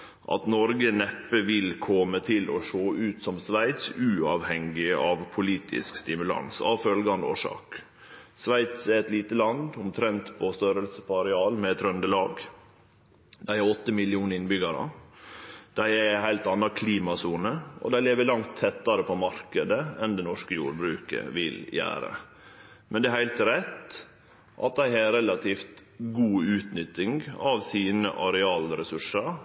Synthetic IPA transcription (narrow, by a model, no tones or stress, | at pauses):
ʔɑ̰t̪nɔɾɡənɛpːəʋɪlkʰɔmət̪ʰɪlɔ̰ʂoːʔʉːt̪sɔmsʋæɪt̪sʉːɑːʋhɛŋɪʔɑʋpʰʊliːt̪ʰɪ̰skst̪ɪmʉlɑ̰nsɑ̰ʋfœlɡɑnd̪o̰ːʂɑ̰ːk | sʋæɪt̪sɛɾɛt̪liːt̪əlɑnd̪ʊmt̪ʰɾɛnt̪pʰɔst̪øɾəlsəpɑɾɪɑːlmɛɛt̪ʰɾœnd̪əlɑːɡ | d̪æɪæɔt̪ːəmɪlɪuːnəɾɪnbʏɡɑɾə̰ | d̪̥æɪɛhæɪlt̪ɑnːɑkʰliːmɑsuːnəʔɔ̰d̪æɪleːʋəlɑŋt̪ʰːɛt̪ːɑɾəpʰɔmɑɾkəd̪əɛnd̪ɛnɔʂkəjṵːɾbɾʉːkə̰ʋɪ̰ljæ̰ːɾə̰ | mʔɛnd̪ɛæɾhæɪlt̪ɾɛt̪ | ʔɑ̰t̪̚d̪æɪhɑɾɛlɑt̪ʰiːft̪ɡuːʉːt̪nʏt̪ːɪŋɡɑʋsiːnə̰ʔɑɾɛɑːlɾɛsʉʂəɾ